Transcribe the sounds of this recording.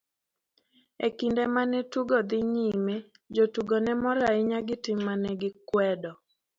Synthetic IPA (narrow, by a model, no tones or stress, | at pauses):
ekindɛmanɛtuɡɔd̪ɪɲime | d͡ʒotuɡɔnɛmɔɾaɪɲaɡɪtɪmːanɛɡɪkwɛdɔ